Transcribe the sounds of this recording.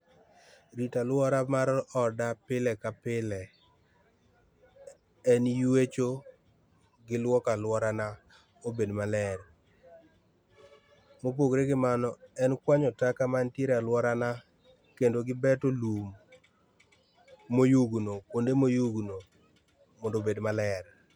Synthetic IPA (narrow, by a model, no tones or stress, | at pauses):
ɾitalwɔɾamaɾɔdapɪlɛkapɪlɛ | ɛnjwet͡ʃo | ɡɪlwɔkalwɔɾana | obedmalɛr | mop̬oɡɾeɡɪmanɔɛnkwaɲɔtakamantjeɾalwɔɾana | kendoɡɪbɛtolum | ojuɡnokondemojuɡno | mondobedmalɛr